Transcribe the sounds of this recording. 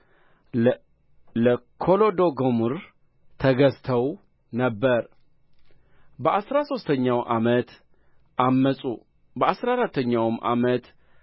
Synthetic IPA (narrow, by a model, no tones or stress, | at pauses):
ləkʰo̞lo̞d̪oɡomuɾ | t̪ʰəɡəst̪ʰəw | nəbːəɾ | bəʔasɾaso̞st̪ʰəɲːawʔa̰mət̪ | ʔamːəsʼu | bəasɾaɾat̪ːəɲːawɨmʔa̰mət̪